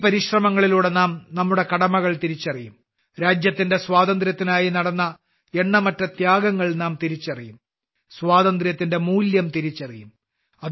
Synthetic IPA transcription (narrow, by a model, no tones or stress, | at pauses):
pɐɾiɕrɐmɐŋːɐɭiluːɽe̞naːmnɐmːuɽe̞kɐɽɐmɐɣɐɭt̪iɾit͡ɕːɐrijum | ɾaːd͡ʑjɐt̪ːinde̞swaːd̪ɐnd̪rjɐt̪ːinaːjinɐɽɐnːɐ | e̞ɳːɐmɐtːɐt̪jaːɡɐŋːɐɭnaːmt̪iɾit͡ɕːɐrijum | sʋaːðɐnd̪rjɐt̪ːinde̞muːljɐmt̪iɾit͡ɕːɐrijum | ɐ